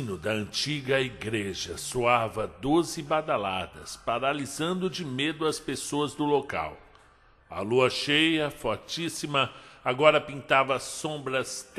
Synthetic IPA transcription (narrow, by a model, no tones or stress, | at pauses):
nʊd̪ɐɐ̃nt͡ʃiɡɐiɡɾeʒɐsoavɐd̪ozɪbad̪ala̰d̪ɐspaɾalizɐ̃nd̪ʊd͡ʒɪmed̪ʊɐspesoɐzd̪ʊloka̰w | ɐ̰luɐʃejɐfɔɾt͡ʃisimɐaɡɔɾɐpĩnt̪avɐsõbɾɐst̪